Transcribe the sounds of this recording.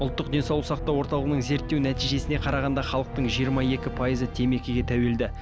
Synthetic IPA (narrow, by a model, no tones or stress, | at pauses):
ʊlˠt̪ːəq̚d̪e̞nsɑlˠʊsɑq̚t̪ɑwo̞ɾt̪ɑlˠəʁənəɴze̞ɾt̪ːewnæt̪ijʒe̞sɪne̞qʰɑɾɑʁɑnd̪ɑχɑlˠəq̚t̪əɴʒijəɾmɑje̞kʲɪpʰɑjizət̪ʰe̞me̞kʲɪɡʲe̞t̪ʰæwe̞ld̪ɪ